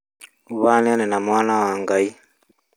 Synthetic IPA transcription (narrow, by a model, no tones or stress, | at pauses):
uβananɛnamwanawaŋɡai